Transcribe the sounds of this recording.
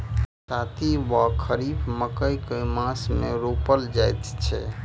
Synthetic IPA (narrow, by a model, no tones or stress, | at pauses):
sat̪ʰiʋakʰəɾibməkəjkemãsmẽɾopəld͡ʒajt̪t͡ʃʰɛ̰